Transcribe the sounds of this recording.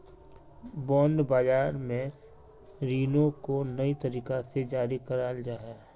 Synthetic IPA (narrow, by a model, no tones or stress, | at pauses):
bɔ̃ːnd̪baːd͡ʒaːɾmẽ | ɾiːnõkonəit̪əɾiːkased͡ʒaːɾikəɾaːld͡ʒaːɦɛː